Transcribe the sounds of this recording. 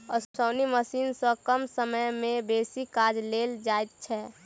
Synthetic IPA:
ɔɾsoːniməsiːnsɔ̃kəmsəməjmẽbeːsikaːd͡ʒleːld͡ʒaːet̪̚t͡ʃʰɛ

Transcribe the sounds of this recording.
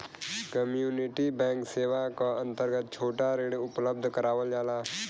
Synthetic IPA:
kəmjuːnɪʈibɛ̃ːŋkseːʋakaə̃nt̪əɾɡət̪̚t͡ʃʰoːʈaɾeːɽʊpləb̚d̪ʱkəɾaːʋəld͡ʒaːlaː

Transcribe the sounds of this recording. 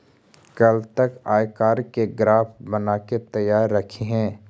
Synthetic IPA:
kɐlt̪ɐkaːjkaːɾkeɡɾaːfbənaːket̪ɐjaːɾːɐkʰeɦɛ̃ː

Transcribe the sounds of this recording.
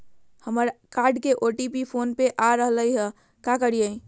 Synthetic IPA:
həməɾkaːɾɖkeʔoʈipipʰoːnpeʔaɾəɦləiɦɛ | kakəɾie

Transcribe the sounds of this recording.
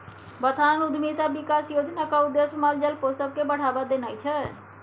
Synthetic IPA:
bət̪ʰaːnʊd̪mit̪abɪkaːsjoːd͡ʒnakaʊd̪ːesmald͡ʒəlpoːsəb̚kebəɽ̤aːbad̪enaːit͡ʃʰɛ

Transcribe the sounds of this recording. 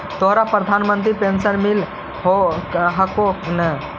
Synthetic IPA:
t̪oɦɾapɾɐd̪ʱanmənt̪ɾipensənmil | ɦoɦɐkonə

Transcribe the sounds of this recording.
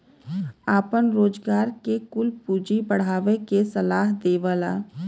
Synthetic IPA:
aːpənɾoːd͡ʒɡaːɾkekʊlpuːd͡ʒibəɽ̤aːʋekesəlaːɦd̪eːʋəlaː

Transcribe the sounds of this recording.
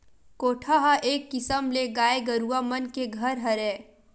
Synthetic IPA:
koːʈʰaɦaʔeːkːɪsəmleɡaːeɡɐɾuamənkeɡʱɐɾɦɐɾẽː

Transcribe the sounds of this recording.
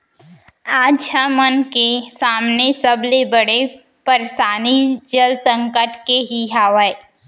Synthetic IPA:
aːdʃʰamənkesaːmnesɐblebəɽe | pəɾʃaːnid͡ʒəlsə̃ŋkəʈkeɦiɦaːʋae

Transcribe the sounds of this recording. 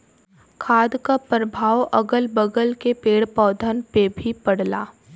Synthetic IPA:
kʰaːd̪kapɾəbʱaːwʔɐ̰ɡəlbəɡəlkepeːɽpɔːd̪ʱənpebʱipɐɽla̰ː

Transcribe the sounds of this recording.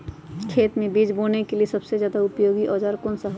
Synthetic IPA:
kʰeːt̪mẽbiːd͡ʒboːnekeliesɐbsezjaːd̪aʊpjoːɡiʔɔːd͡ʒaɾkoːnsaɦ

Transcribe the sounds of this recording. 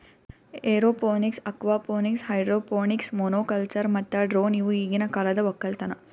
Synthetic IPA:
eːɾoːpoːniksɐkʋaːpoːnikshɐjɖɾoːpoːniksmoːnoːkɐlt͡ʃɐɾmɐt̪ːɐɖɾoːniʋuiːɡinɐkɐlɐd̪ɐʋɔkːɐlt̪ɐnɐ

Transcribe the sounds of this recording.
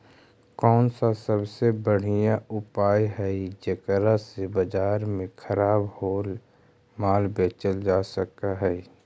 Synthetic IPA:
kɔːnsasəbsebəɽ̤ijaʊpaːjɦɛd͡ʒəkɾasebəd͡ʒaːɾmẽkʰəɾaːbhoːl | maːlbeːt͡ʃəld͡ʒaːsək̚aɦɛː

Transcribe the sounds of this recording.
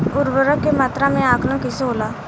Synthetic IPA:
ʊɾʋəɾəkːemaːt̪ɾãːmẽaːkʰlə̃ːkɪseɦoːlaː

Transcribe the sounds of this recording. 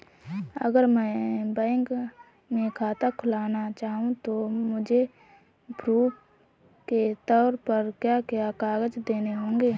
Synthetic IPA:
ə̰ɡəɾmɛ̃ːbɛ̃ːŋk | mẽkʰaːt̪akʰʊlaːnat͡ʃaːɦũt̪omʊd͡ʒʱe | pɾuːp | ket̪ɔːɾpəɾkjaːkjakaːɡəd͡ʒd̪eːneɦõːŋɡeː

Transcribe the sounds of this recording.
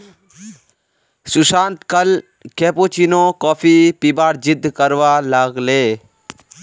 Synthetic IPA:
sʊsãːnt̪kəl | keːpot͡ʃinõːkɔːfʰipibaːɾd͡ʒɪd̪ʱːkəɾʋaːlaːɡleː

